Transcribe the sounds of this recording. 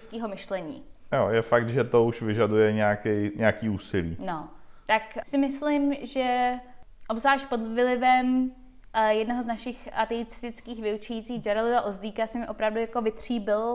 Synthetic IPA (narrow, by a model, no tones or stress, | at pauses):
t͡skiːɦo̞mɪʃlɛɲḭːjojɛfakt̪ʒɛt̪ouʃvɪʒadujɛɲɛakɛjɲɛakiːuːsɪlḭːnot̪aksɪmɪslɪmʒɛ | ʔobzaːʃ̚po̞dvɪlɪvɛm | jɛdnoɦoznaʃɪxat̪ɛit͡sɪ̥st̪ɪt͡skiːxvɪut͡ʃɛjiːt͡siːɣd͡ʒaɾalɪvaʔozdiːkasɪmɪʔo̞pɾavdujakovɪt̪r̝̥iːbɪl